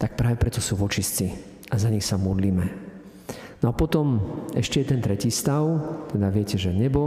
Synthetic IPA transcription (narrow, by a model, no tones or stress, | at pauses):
t̪ak̚pɾaːʋɛpɾɛt̪ɔsuːʋɔt͡ʃist͡si | ʔazaɲixsamɔd̪liːmɛ | nɔapɔt̪ɔmɛ̰ʃcɛjɛd̪ɛnt̪ɾɛciːst̪aʊt̪ɛd̪aʋɪɛcɛʒɛɲɛbɔ